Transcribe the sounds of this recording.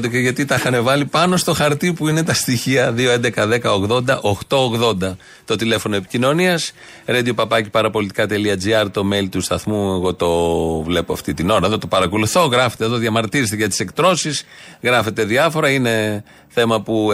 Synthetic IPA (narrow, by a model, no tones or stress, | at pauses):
d̪ekeʝɐt̪it̪ɐxɐnevɐlipɐno̞st̪o̞xɐɾt̪ipuine̞t̪ɐst̪içiɐðioend̪e̞kɐðe̞kɐo̞ɣðo̞nd̪ɐʔo̞xt̪o̞oɣðo̞nd̪ɐ | t̪o̞t̪ile̞fo̞no̞epi̥cino̞niɐs | ɾed̪iopɐpɐci̥pɐɾɐpo̞lit̪i̥kɐt̪e̞liɐd͡ziɐɾt̪o̞me̞lit̪ust̪ɐθmueɣo̞t̪o̞vle̞poɐft̪it̪ino̞ɾɐeðo̞t̪opɐɾɐko̞luθo̞ɣɾɐfet̪eðo̞ðʝɐmɐɾt̪iɾist̪eɐt̪i̥se̞kt̪ɾo̞sisɣɾɐfe̞t̪e̞ðiɐfo̞ɾɐine̞ | θe̞mɐpu